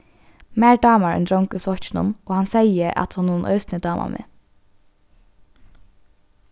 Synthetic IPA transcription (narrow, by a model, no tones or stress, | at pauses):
mæːɹɖɑːmaɹɛ̰nd̪ɾɔŋkʉflɔht͡ʃɪnʊ̰noːhansɛjəʔa̰t̪hʊnːuːnʔœ̰ʏsnəd̪ɑːmʔa̰mʔḛː